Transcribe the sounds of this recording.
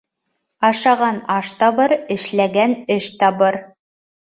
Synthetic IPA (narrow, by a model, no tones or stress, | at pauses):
ɑʃɑʁɑnɑʃt̪ɑβɤɾɘ̆ʃlæɡænɘʃt̪ɑβɤɾ